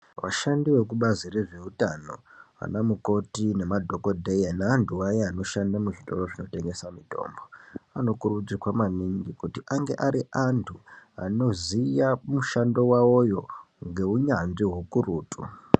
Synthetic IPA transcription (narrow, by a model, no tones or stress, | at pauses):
ʋa̰ʃandiwe̞k̬uɓazire̞ʐe̞utano̞̰a̰namuko̞tine̞madʱo̞ko̞dʱejanaːntʰuwajeano̞ʃandamuʐito̞̰ro̞ʐino̞te̞ŋɡe̞samito̞̰ːmboano̞kurud͡zikwamaniŋɡikutiʔaŋɡe̞̰ʔaɾiʔantʰua̰no̞zijamuʃando̞wawo̞jo̞ | ŋɡe̞uɲanʐiɦukuruːtṵ